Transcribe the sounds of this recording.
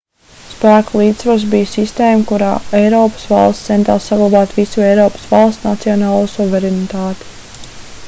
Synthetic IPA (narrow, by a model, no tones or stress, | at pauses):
sspæːkulˠiːt̪svaɾs̬bijsist̪eːmkuɾa̰ːɛjɾɔːpə̥svɑ̰lˠsɛnt̪a̰ːsːaɡlˠabaːt̪visuɛjɾɔːpə̥svɑlˠst̪nat̪siɔnɑːlˠuːsuvɛɾɛnit̪aːt̪i̥